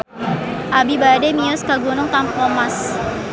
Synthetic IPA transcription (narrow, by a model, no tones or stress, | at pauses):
ʔabibademiʊskaɡunʊŋt̪ampɔmas